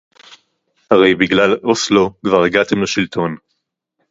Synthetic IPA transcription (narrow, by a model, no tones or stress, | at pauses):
haʁe̞jbiɡlaloslo̞kvaʁeɡat̪e̞mleʃilt̪ʰo̞n